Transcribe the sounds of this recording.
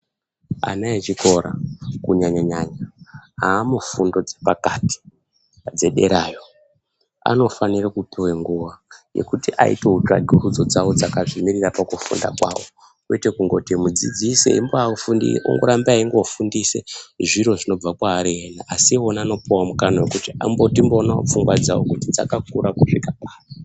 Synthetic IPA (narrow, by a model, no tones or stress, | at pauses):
a̰naet͡ʃiko̞ɾakuɲaɲaɲaɲaaːmufundo̞d͡zepakati̥ | d͡ze̞ɗe̞ɾaːjo̞ | a̰no̞fanirakupiweŋɡuʋaje̞̰kutiʔa̰ḭteuta̰ɡʱurud͡zo̞d͡zawod͡zakaʐimirirapakufṵnda̰kwawo | kwetekuŋɡo̞timud͡zḭd͡zisḛimboaufundḭo̰ŋɡoɾambaiŋɡofundiseʐiɾo̞ʐino̞b͡vakwaːɾeenaʔasionaːno̞piwamukanawekutia̰mbotimbonap͡fuŋɡwad͡zawokutid͡za̰kak̚uɾakuʂikapaːri